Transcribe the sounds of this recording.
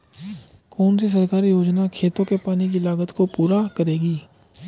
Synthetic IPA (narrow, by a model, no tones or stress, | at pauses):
kɔːns̬is̬əɾkaːɾijoːd͡ʒnakʰeːt̪õkepaːnik̬ilaːɡət̪kopuːɾakəɾeːɡiː